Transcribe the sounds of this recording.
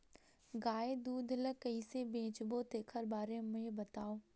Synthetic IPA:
ɡaːed̪uːd̪ʱləkɐisebẽːt͡ʃbot̪eːkʰəɾbaːɾemʊɦebɐt̪aːoː

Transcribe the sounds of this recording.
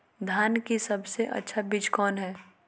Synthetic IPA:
d̪ʱjaːnkisɐbseʔɐ̰tːʃʰabɪd͡ʒkɔːnɦɛː

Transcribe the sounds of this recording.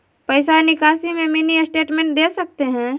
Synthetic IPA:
pəɪsanɪkaːsimẽminisʈeːʈmẽɳʈ̚d̪eːsɐk̚t̪eɦɛ̃ː

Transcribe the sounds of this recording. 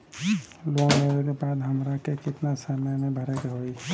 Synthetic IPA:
lomeɾeɾebaːd̪ɦəmɾakekɪt̪nasamamẽbʱəɾekeɦoi

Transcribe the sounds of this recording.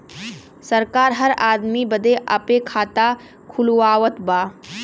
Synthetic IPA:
sɐɾkaːɾɦɐɾaːd̪mibɐd̪ʱeʔɐ̰pekʰaːt̪a | kʰʊluaːʋət̪baː

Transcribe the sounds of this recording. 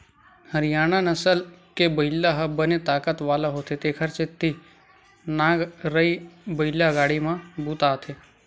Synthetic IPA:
həɾɪjaːñanəsəlkebəɪlːaɦəbənet̪aːkət̪ʋaːlaɦot̪ʰet̪eːkʰəɾt͡ʃet̪ːi | nãːɡɾəibəɪlaɡaːɽimãbuːt̪aːt̪ʰe

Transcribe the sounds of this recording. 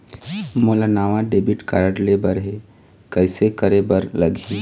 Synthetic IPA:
moːlanaːʋaɖebiʈkaɾəʈlebəɾɦe | kəɪsekəɾebəɾlɐɡʱẽ

